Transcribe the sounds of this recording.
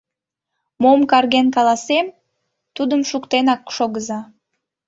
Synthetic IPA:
momkɑrɣenkɑlɑsem | t̪ud̪əmʃukt̪enɑkʃoɣəzɑ

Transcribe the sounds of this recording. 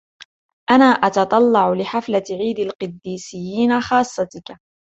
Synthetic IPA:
ʔanaːʔɑt̪ɑt̪ˤɑlːɑʕlɪħaflaʕiːd̪alqɨd̪ːiːsɪjːiːnaxɑːsˤːɑt̪ɪk

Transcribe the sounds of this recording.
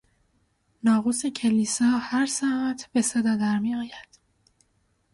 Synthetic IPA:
nɒːɣuːsecʰeliːsɒːhæɾsææt̪ʰb̥e̞sed̪ɒːd̪æɾmiːɒːjæd̪̥

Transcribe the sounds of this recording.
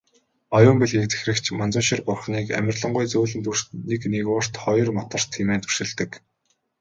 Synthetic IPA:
ɔjʊːmpeɮɣekt͡se̥xrɘ̆kt͡ɕʰmant͡sʊːʃĭrpʊrχniːkæ̰mʲɪ̆rɮə̆ɴɢʊjt͡suːɮɘ̆nt̪ur̥neknekʊːr̥t̪χɔjɞ̆rmɔt̪ə̆r̥t̪ʰːiːmeːnt̪u̥rʃɘ̆ɮt̪ɘ̆k

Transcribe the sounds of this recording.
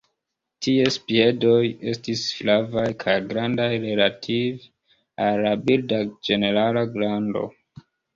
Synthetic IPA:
tie̞spie̞do̞je̞stisflavajkʰajɡɾandajɾe̞latʰiv | alabildad͡ʒe̞ne̞ɾalaɡɾando̞̰

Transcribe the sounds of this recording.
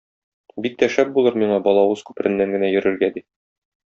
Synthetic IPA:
bik̚t̪æʃæp̚bulˠɤɾmiɴɑbɒlˠɑwɤz̥kʉ̥pɘ̆ɾʔɘ̆nːæŋɡɘ̆næjɵ̆ɾɘ̆ɾɡæd̪i

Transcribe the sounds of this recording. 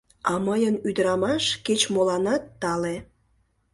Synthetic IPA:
ɑməjənyd̪əɾɑmɑʃket͡ɕmolɑnɑt̪ːɑle

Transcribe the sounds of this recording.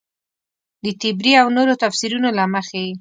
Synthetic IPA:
d̪ət̪ɪbɾiawnoɾot̪afsiɾunolaməxewi

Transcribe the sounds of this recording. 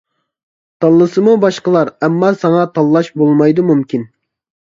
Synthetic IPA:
t̪ʰɑlˠːɨsɨmubɑʃqəlˠɑɾɛmːɑsɑŋɑt̪ʰɑlˠːɑʃbolˠmɑjd̪umumkʲʰin

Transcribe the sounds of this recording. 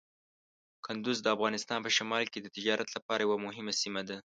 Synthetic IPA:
kʊnd̪ʊzd̪əafɣɑnɪst̪ɑnpəʃamɑlked̪ət̪ɪd͡ʒɑɾʔat̪lapɑɾʔajawamʊɦɪmasimad̪a

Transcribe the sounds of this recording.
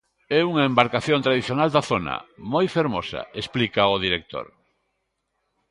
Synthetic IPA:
ɛuŋɐembaɾkaθjõnt̪ɾaðiθjonald̪aθonɐ̰mojfeɾmosɐ̰esplikɐʊðiɾek̚t̪o̰ɾ

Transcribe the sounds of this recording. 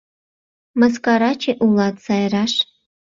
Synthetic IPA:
mə̆s̬kɑɾɑt͡ɕeʔulˠɑt̪sɑjɾɑʃ

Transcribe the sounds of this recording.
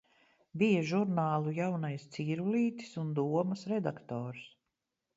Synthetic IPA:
bijaʒuɾnaːlˠujawnajst̪siːɾuliːt̪i̥sund̪uɔmɐsɾɛd̪akt̪ɔːɾs

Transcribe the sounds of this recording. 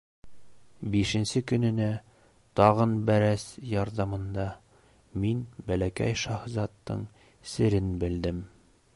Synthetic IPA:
biʃɘ̆nsɘkɵ̆nɘ̆næ | t̪ɒʁɤnbæɾæsjɑɾðɑmɤ̆nd̪ɑ | minbælækæ̰jʃɑhzɑt̪ːɤ̰ɴ | sɘ̆ɾɘnbɘ̆ld̪ɘm

